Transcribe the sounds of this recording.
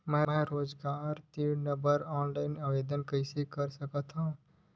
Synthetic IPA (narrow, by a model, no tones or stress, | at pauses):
mɛ̃ɛ̃ɾoːd͡ʒɡaːɾt̪iːnə̃bəɾɔːnlaːɪnaʋeːd̪ənkɐɪsekɐɾsɐkat̪ʰã